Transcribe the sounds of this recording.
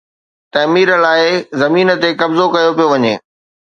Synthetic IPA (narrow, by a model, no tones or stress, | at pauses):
t̪ɐmiːɾəlaːɪzɐmiːnə̆t̪ekɐbzokɐjopijoʋɐɲḛː